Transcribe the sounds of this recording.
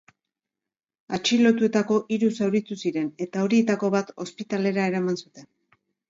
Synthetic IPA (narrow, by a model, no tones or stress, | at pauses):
at͡ʃilo̞t̪ue̞t̪ako̞ʔiɾusawɾit̪usiɾe̞ne̞t̪ao̞ɾie̞t̪ako̞βat̪o̞spit̪ale̞ɾae̞ɾamansut̪e̞n